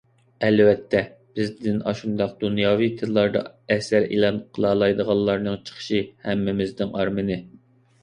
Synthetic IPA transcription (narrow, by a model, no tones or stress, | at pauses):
ɛlvɛt̪ʰːɛb̥ɪzd̪ɪnɑ̰ʃund̪ɑq̚d̪unjɑːvit̪ʰɨlːˠɑɾd̪ɑ̰ɛsæɾḭlˠɑnqʰəlˠɑːlˠɑjd̪əʁɑlˠlːˠɑɾnɨŋt͡ʃʰə̥χə̥ʃɨhɛmːɪmɪznɪŋɑɾmɨnɨ